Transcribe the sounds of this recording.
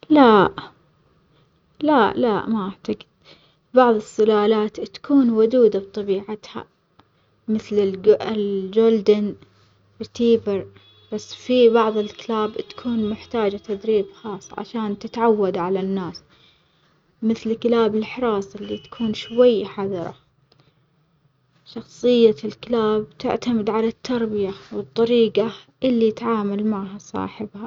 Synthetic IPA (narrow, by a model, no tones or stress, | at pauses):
laʔ | laʔlaʔmaʔaʕt̪aɡɪd̪̥ | bɑʕðˤɨsˤːɪlaːlaːt̪t̪ḁkuːnwʊd̪uːd̪abt̪ˤɑbiːʕat̪ha̰ | mɪθlɪɪld͡ʒoːld̪an | t̪iːbɪɾ | b̥asːfibɑʕðˤɨlkɪlaːbt̪ḁkʰuːnmʊħt̪aːd͡ʒat̪ad̪ɾiːbxɑːsˤːʕa̰ʃaːnt̪ɪt̪ʕawːad̪ʕalanːaːs | mɪθlkɪlaːbɪlħɾˤɑːsˤɪlːit̪ḁkʰuːnʃwajːħɑðˤɑɾˤɑ̰ | ʃɑxsˤɨjːalkɪlaːb̚t̪ɪ̰ʕt̪amɪd̪ʕalat̪ʰːɑɾˤbɪjawɨt̪ˤːɑɾiːqaʔɪlːiɪt̪ʕaːmalmaʕɦasˤɑ̰ːħɪbha